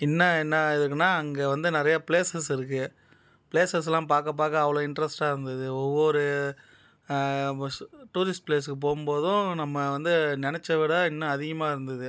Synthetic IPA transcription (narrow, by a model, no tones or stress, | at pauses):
ɛnːɐɛnːɐɪðɯkːɯnːaːɐŋɡeːʋɐnd̪ɯnɪɾɐjapɪleːsɐsɪɾɯkːɯ | pɪleːsɐs̬lãːp̬aːɾkɐp̬ːaːɾkɐːʋɐɭoːɪɳɖɾɛsʈaːɪɾɯnd̪ɐðɯɔʋːɔɾɯ | ʈuːɾɪsʈ̚pleːskːɯp̬oːɣɯmpoːðʊ̃nɐmːɐʋɐnd̪ɯnɪnɛt͡ʃːɐʋɪɽɐɪnːɐːðɪɣɐmaːɪɾɯnd̪ɐðɯ